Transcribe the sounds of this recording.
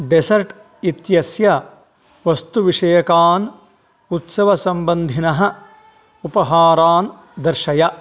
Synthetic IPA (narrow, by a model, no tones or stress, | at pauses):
ɖesɐɾʈ | it̪jɐsjɐ | ʋɐst̪uʋiʂɐjɐkaːn | ut̪sɐʋɐsɐmbɐnd̪ʱinɐɦɐ | upɐɦaːɾaːn | d̪ɐɾʃɐjɐ